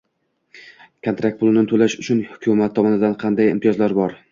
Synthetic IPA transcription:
kʰont̪ɾak̚t̪pʰʊlˠnɪt̪ʰʊlaʃʊt͡ʃʰʊnhʊkʲʰʊmat̪ʰːɒmɒnɪd̪anqʰɑnd̪ajɪ̰mt̪ʰɪjɒzlaɾbɒɾ

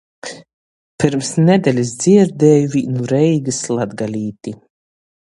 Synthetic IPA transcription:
piɾmsnʲɛd̪ɛlʲisd̪z̥iɛɾd̪ɛːjuvinuɾɛjɡɨslˠad̪ɡalʲiːt̪i

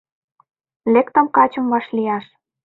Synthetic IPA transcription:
lekt̪ə̆mkɑt͡ɕə̆mβɑʃlijɑʃ

